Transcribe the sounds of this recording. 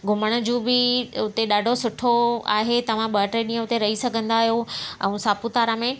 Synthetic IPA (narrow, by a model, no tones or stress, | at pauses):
ɡʱʊməɽ̃ə̆d͡ʑũːbɪʊt̪eɗaːɖʱosʊʈʰoa̰ːɦet̪ɐʋ̤ãɓɐʈeɗĩːə̃ʊt̪eɾɐɦisɐɡʱə̃nd̪aːɦijoɛ̰̃ːsaːput̪aːɾamẽ